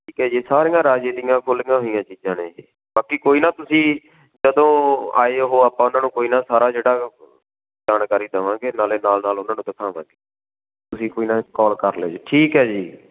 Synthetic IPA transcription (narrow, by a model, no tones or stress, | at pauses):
ʈʰiːkɦɛːd͡ʒiːsaːɾĩːãːɾaːd͡ʒeːd̪ɪjãːkʰʊlɪːãːɦoijãːt͡ʃiːd͡ʒãːneːd͡ʒː | baːkiːkoːiːnaːt̪ʊsĩː | d͡ʒəd̪õːa̰ːeːɦoːaːpãːʊnãːnũːkoːiːnaːsaːɾaːd͡ʒeːɽaː | d͡ʒaːnkaːɾiːd̪əʋãːɡeːnaːleːnaːlnaːlʊnãːnũːd̪ɪkʰaːʋã̰ːɡeː | t̪ʊsĩːkoːiːnaːkɔːlkəɾlḛːd͡ʒeːʈʰiːkɦɛːd͡ʒiː